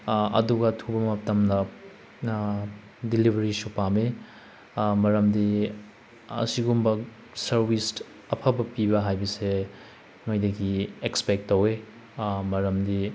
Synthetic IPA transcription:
ɐ̰duɡɐtʰubɐmɐp̚tɐmdɐ | dilibʱɐɾisupame | mɐɾɐmdi | ɐ̰siɡumbɐ | sɐɾbis | ɐpʰɐbɐpibɐɦajbɐse | nojdɐɡiekspek̚tːɐwe | mɐɾɐmdi

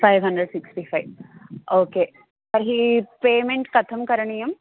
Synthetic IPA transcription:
fajʋɦɐɳɖɾeɖsiksʈifʰajʋoːkeː | pɐɾɦipeːmẽɳʈkɐt̪ʰɐmkɐɾɐɳijɐm

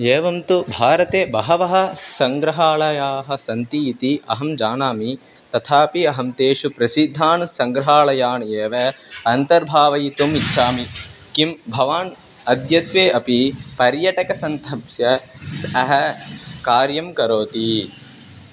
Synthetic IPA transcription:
eːʋɐmt̪ubʱaːɾɐt̪eːbɐɦɐʋɐɦɐ̆sɐŋɡɾɐɦaːɭɐjaːɦɐ̆sɐnt̪iːt̪iɐ̰ɦɐmd͡ʒaːnaːmi | t̪ɐt̪ʰaːpiɐɦɐmt̪eːʃupɾɐsid̪ʱːaːnusɐŋɡɾɐɦaːɭɐjaːneːʋɐɐnt̪ɐɾbʱaːʋɐjt̪umit͡ʃːʃʰaːmikimbʱɐʋaːn | ɐd̪jɐt̪ʋeːɐpipɐɾjɐʈɐkɐsɐnt̪ʰɐpsjɐsɐɦɐkaːɾjɐmkɐɾoːt̪i

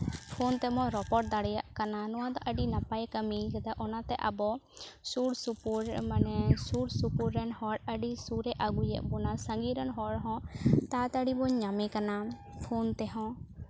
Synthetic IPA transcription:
pʰont̪ɛmɔ̃ɾɔpɔʈ̚d̪aɽɛja̰ʔkananɔwãd̪ɔʔəɖinapajkəmiɡɛd̪aʔɔnat̪ɛʔa̰bɔsuɽsupuɾmanɛsuɽsupuɾːɛnhɔɽəɖisuɾɛʔaɡujɛ̰ʔbɔnasə̃ŋɡiɾənɦɔɽɦɔ̃t̪at̪əɽibɔɲɲamɛkana | pʰont̪ɛɦɔ̃

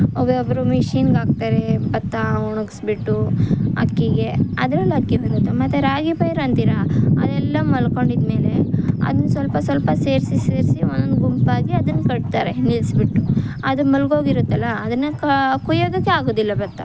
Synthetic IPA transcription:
obeobɾumiʃiːnɡaːɡ̚t̪aːɾebɐt̪ːauɳuɡsbiʈːuɐ̰kːiɡe̞ɐ̰d̪ɐɾɐlːɐkːibɐnd̪ut̪ːɐmɐt̪ːeɾaːɡipɐjɐɾɐnt̪iɾɐɐ̰d̪ɛlːɐmɐlko̞ɳɖid̪me̞ːle̞ɐ̰d̪ɐnːsʋɐlpɐsʋɐlpɐseːɾsiseːɾsionːɐnɡumpaːɡiɐd̪ɐnːkɐɽt̪aːɾenilsbiʈːuɐd̪umɐlɡo̞ːɡiɾut̪ːɐlːɐːd̪ɐnːekkujoːd̪ɐkːeaːɡoːd̪ilːɐbɐt̪ːa̰

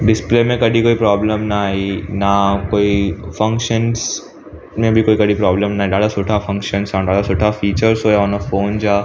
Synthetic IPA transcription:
ɖɪsplemẽkədʱikoːipɾɔːbləmnaːɦinakoːifɐ̃ŋkʃəns | mẽbʱikoːikəɽipɾɔːbləmnaːɦiɖaːɽasoːʈʰafɐ̃ŋkʃənsãɖaːɽasoːʈʰafiːt͡ʃəɾsɦoːjeɔnəfoːnd͡ʒaː

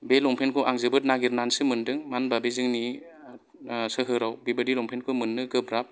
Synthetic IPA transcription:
belɔŋpʰenkʰɯʔaŋzɯbɯt̚naɡiɾnansɯmɯndɯŋmanbabezɯŋni | sɯɦɯɾawbibɯdilɔŋpʰenkʰɯmɯnːɯɡɯbɾap̚

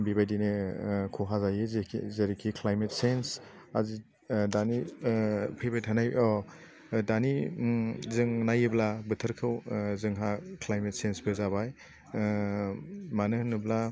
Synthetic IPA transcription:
mbibajdinekʰuɦazajɯzʰzeɾikʰiklajmet̚sens | azi | dani | pʰijbajtʰanajʔɔ | dani | zɯŋnajɯblabɯtʰɯɾkʰɯwzɯŋɦaklajmet̚sensbɯzabaj | manɯhnɯbla

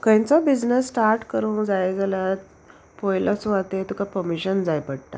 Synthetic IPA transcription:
kə̃jt͡sɔbid͡znəsːʈaɾʈkəɾũːd͡zajɡeljat̪ | pɔjlʔat͡suat̪et̪ukapəmiɕənd͡zajpəɽt̪a̰

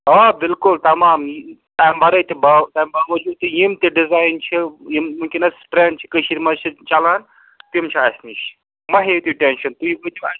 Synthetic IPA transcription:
aːbɪlkʊlt̪ɐmaːmt̪aːjmbʱɐɾɐjt̪ʲibɐt̪ajmbɐʋɐd͡ʒuːt̪ːijimt̪iɖizaːjnt͡ʃʰijimmũŋkʲinɐsʈɾeːɳɖt͡ʃʰi̥kəʃiɾimɐt͡ʃʰit͡ʃɐlaːn | t̪imt͡ʃʰiaːsʲniʃ | mɐɦet̪iʈenʃɐnt̪uiʋɐt̪ʲia

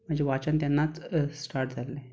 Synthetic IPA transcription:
m̤əɳd͡ʑeʋat͡ɕənt̪janːat͡ssʈaɾʈd͡zʱalẽ

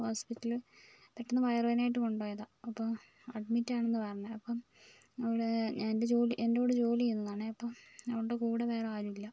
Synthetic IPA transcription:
hoːspitːɐlpeʈːɐnːɐpɐjɐrʋɐnaːjiʈːɨkoɳɖoːjɐðaɐpːo | ɐɖ̚mitːaːɳe̞nːɨpɐɾɐɲːɐðɐpːom | ɐʋiɽeɲande̞d͡ʑo̞ːliʔendeːɽed͡ʑo̞ːlijunːɐðaːɳeɐpːɐmɐʋiɽuʈːekuːɽeʋeːreaːɾumilːɐ

